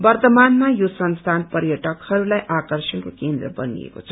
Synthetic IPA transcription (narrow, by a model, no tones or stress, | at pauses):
bʌrt̪ʌmanmajosʌnst̪ʰanpʌrjʌʈʌkhʌɾulajʔakʌrsʌnkokend̪rʌbʌnḭḛko̰t͡sʰʌ̥